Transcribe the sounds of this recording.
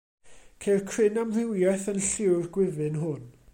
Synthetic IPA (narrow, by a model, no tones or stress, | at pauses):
kʰejrkʰrɪnamr̥ɪwjɛθənɬɪwrɡwɪvɨnɦʊn